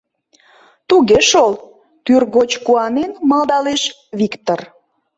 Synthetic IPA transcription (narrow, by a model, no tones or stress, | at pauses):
t̪uɣeʃol | t̪yrɣot͡ɕkuɑnenmɑld̪ɑleʃ | βikt̪or